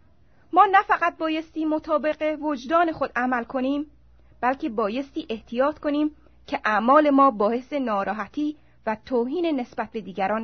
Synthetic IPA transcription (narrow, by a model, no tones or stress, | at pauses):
mɒːnæfæɢæt̪̚bɒːje̞st̪iːmo̞t̪ʰɒːbe̞ɢevod͡ʒd̪ɒːne̞xod̪̥ʔæmælkʰo̞niːm | b̥ælcʰe̞bɒːje̞st̪iːʔe̞ht̪ʰijɒːt̪ko̞niːm | cʰeʔæmɒːle̞mɒːbɒːhe̞se̞nɒːɾɒːɦæt̪ʰiː | væt̪ʰoːɦiːnene̞sbæt̪̚be̞d̪iːɟʲæɾɒːn